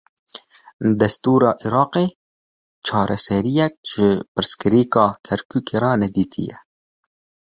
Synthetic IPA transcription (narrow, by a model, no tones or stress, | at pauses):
d̪ɛst̪uːɾɑːʔiɾɑːqeː | t͡ʃʰɑːɾʔɛsɛɾijɛk̚ʒ̥ɪpɨɾskɨɾiːkɑːkʰɛɾkʰuːkʰeːɾɑːnɛd̪iːt̪ʰḭjɛ̰